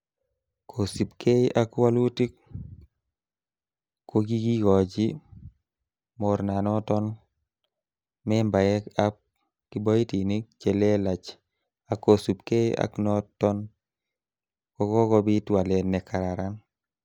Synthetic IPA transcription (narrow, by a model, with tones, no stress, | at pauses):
kʰo˨si˨pkʰe˦ʔa˦kwa˦lu˦ti˦k̚ | kːo˦ɡi˦ɡi˦kɔ˨d͡ʒi˦ | mɔ˨ɾna˨nɔ˦tɔ˦n | mɛ˦mba˨jɛ˦ka˦p̚ | ki˦bɔ˦i˦ti˨ni˦k̚t͡ʃe˨le˦la˨t͡ʃ | a˨kːo˨su˨pke˦a̰˦knɔ˦tːɔ˦n | kɔ˦kɔ˦kɔ˧bi˦twa˨lɛ˨nːɛ˨kʰa˨ɾa˨ɾan